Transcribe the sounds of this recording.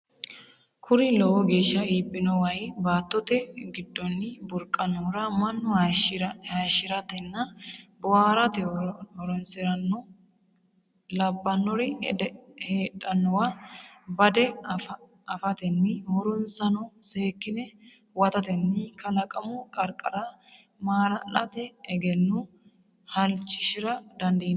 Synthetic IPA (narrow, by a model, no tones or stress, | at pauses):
kʰʊɾɪlɔwɔɡe̞ːʃːɐiːbːɪnɔwɐjbaːt̪ːɔt̪ɛɡɪd̪ːɔnːɪbʊɾkʼːɐnɔɾɐmɐnːɔhaʃɪɾɐhaʃɪɾɐt̪ɛnːɐbɔwaːɾɐt̪ɛɔɾɔnsɪɾɐnːɔ | lɐbːɐnːɔɾɪ | heːᶑɐnːɔwabɐd̪ɛ | ɐfɐt̪ɛnːɪhɔɾɔnsɐnɔseːkːɪnɛ | wɐt̪ɐt̪ɛnːɪkɐlɐkʼɐmukʼɐɾkʼɐɾɐ | maːɾɐlɐ̰t̪ɛːɡɛnːu | hɐlt͡ʃːɪ̥ʃɪɾɐd̪ɐnd̪iːn